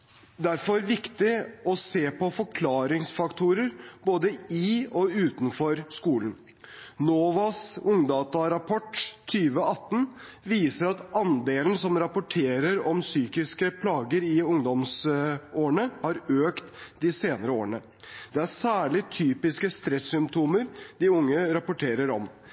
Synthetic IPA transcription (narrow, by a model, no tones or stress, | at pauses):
d̪æɾfɔɾɾʋɪkt̪ɪɔseːpɔfɔɾkʰlɑːɾɪŋsfɑkt̪ʰuɾəɾboːd̪əɪɔʉːt̪n̩fɔɾskuːln | noːʋɑsʊŋd̪ɑːt̪ɑɾɑpʰɔʈːt̪ʰyːʋəɑt̪ːn̩ | ʋiːsəɾɑt̪ɑnd̪eːln̩sɔmɾɑpʊʈʰeːɾəɾɔmsyːkɪskəpʰlɑːɡəɾɪʊŋd̪ɔmsoːəɳəhɑɾøːkt̪d̪ɪseːnəɾəoːɾəɳə | d̪̥ɛæɾsæːɭɪt̪ʰyːpɪskəst̪ɾɛsːʏmpt̪ʰuːməɾd̪̥ɪʊŋːəɾɑpʊʈʰeːɾəɾɔm